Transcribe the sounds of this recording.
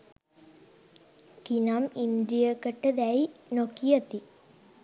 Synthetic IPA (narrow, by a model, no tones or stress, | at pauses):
kinamind̪ɾijəkəʈːəd̪æjnokijɐt̪i